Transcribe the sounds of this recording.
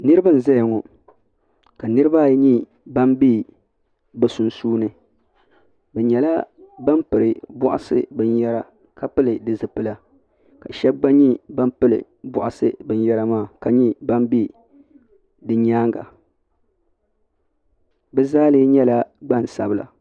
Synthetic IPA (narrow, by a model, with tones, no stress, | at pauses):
nɨ˦ɾɨ˦ba˦n̩˨za˦jŋɔ˨ | ka˨nɨ˦ɾɨ˦ba˦˨˦ɲi˦ | ba˦mbi˦ | bɨ˨su˨nsuː˦nɨ˦ | bɛ˨ɲɛ˨la˦ba˦mpɨ˨ɾɨ˨bʊ̰˦ʔa̰˨sɨ̰˦bɨ˦n˦jɛ˦ɾa˨ | ka˨pɨ˦lɨ˨dɨ˨zɨ˨pɨ˦la˨ | ka˨ʃɛ˦b̚ɡ͡ba˦ɲi˦ba˦mpɨ˦lɨ̰˨ | bʊ˨ʔa˨sɨ˦bɨ˦n˦jɛ˦ɾa˦maː˦˨ka˨ɲi˦ba˦mbi˦ | dɨ˨ɲaː˦ŋɡa̰˨ | bɛ˦zaː˦lɨ˦ɲɛ˦la˦ɡ͡ba˦n˨sa˨bɨ˦la̰˨